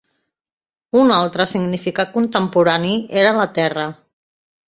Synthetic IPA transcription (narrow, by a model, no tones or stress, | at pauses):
unalˠt̪ɾəsiɡnifikat̪̚kunt̪əmpuɾanieɾələt̪ɛrə